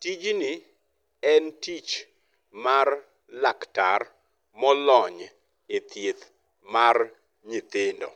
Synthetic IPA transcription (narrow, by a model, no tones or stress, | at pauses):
tid͡ʒni | ɛntit͡ʃ | mar | lakta̰r | mɔlɔɲ | et̪jet̪ | mar | ɲit̪ɪndɔ̰